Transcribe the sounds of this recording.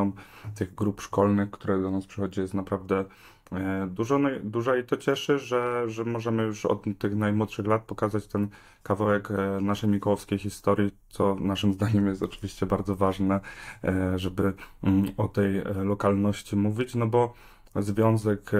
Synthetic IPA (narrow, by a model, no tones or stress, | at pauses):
ɔmt̪ɘɣɡɾupʂkɔlnɘxkt̪uɾɛd̪ɔnaspʂɘxɔd͡ʑijɛst̪napɾavd̪ɛ | d̪uʐɔnɔd̪uʐait̪ɔt͡ɕɛʂɘʐɛʐɛmɔʐɛmɘjuʂɔ̰t̪ːɘxnajmwɔt̪ʂɘxlat̪̚pɔkazat͡ɕt̪ɛn | kavawɛknaʂɛjmʲikuwɔfskʲejxʲist̪ɔɾʲjit̪sɔnaʂɘmzd̪aɲɛmjɛst̪ɔt͡ʂɘ̥vʲiɕt͡ɕɛbaɾd̪zɔvaʐnɛ | ʐɛbɘ | ɔt̪ɛjlɔkalnɔɕt͡ɕimuvʲit͡ɕnɔbɔ | zvʲjɔnzɛk